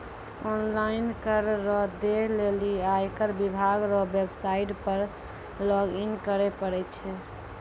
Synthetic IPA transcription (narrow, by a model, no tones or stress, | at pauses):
ɔnlaɪnkəɾːɔɦd̪eleliaekəɾbibʱaɡɾɔɦbebsaiʈpəɾ | lɔɡinkəɾepəɽɛt͡ʃʰɛ